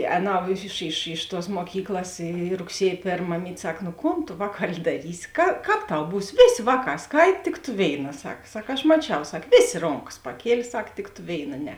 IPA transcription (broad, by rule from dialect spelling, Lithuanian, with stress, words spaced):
ˈɛːˌnɐʊ ɪʃ ɪʃ ɪʃ tuɔs muɔˈkʲiːklˠɐs iː rʊkˈsʲiɛj ˈpʲeːrm mɐˈmʲiːtʲ ˈsɐk nʊ ˈkoːn ˈʋɑːˌkɑːlʲɪ dɐˈrʲiːsʲɪ kɐ ˈkɑːp ˈtɐʊ ˈbuːs ˈʋʲeːˌsʲeː ˈʋɑːˌkɑː ˈskɐɪt tʲɪk tʊ ˈʋʲeːɪˌnɐ ˈsɐk ˈsɐk ɐʃ mɐˈt͡ʃʲɛʊ ˈsɐk ˈʋʲeːˌsʲeː ˈroːŋˌkɐs pɐˈkʲiɛlʲeː ˈsɐk tʲɪk tʊ ˈʋʲeːɪˌnɐ ˈnʲɛ